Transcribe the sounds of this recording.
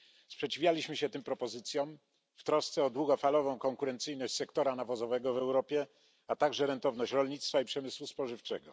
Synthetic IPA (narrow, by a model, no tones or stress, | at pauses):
spʂɛt͡ɕivʲjalʲiɕmɘɕɛt̪ɘmpɾɔpɔzɘt̪sʲjɔ̃m | ft̪ɾɔst̪sɛɔd̪wuɡɔfalɔvɔ̃w̃kɔŋkuɾɛnt̪sɘjnɔɕt͡ɕʲsɛkt̪ɔɾanavɔzɔvɛɡɔvɛwɾɔpʲjɛ | at̪aɡʐɛɾɛnt̪ɔvnɔɕt͡ɕɾɔlʲɲit̪st̪faipʂɛmɘswuspɔʐɘft͡ʂɛɡɔ